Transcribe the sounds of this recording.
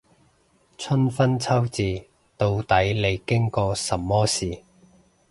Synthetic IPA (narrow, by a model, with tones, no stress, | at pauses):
t͡sʰɵ˥nfɐ˥nt͡sʰɐ˥wt͡siː˨˧ | t̪o˧wt̪ɐ˨˥jle˨˧jkɪ˥ŋkɔː˧sɐ˨mmːɔː˥siː˨˩